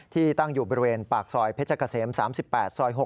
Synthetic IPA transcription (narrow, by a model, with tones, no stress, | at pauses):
t̪ʰiː˥˩t̪a˥˩ŋjuː˨˩bɔ˧ɾi˧weː˧npaː˨˩k̚sɔː˧jpʰe˦˥t͡ɕʰa˧kaː˧˩seː˩˦msaː˩˦msi˨˩pːɛː˨˩t̪̚sɔː˧jɦo˨˩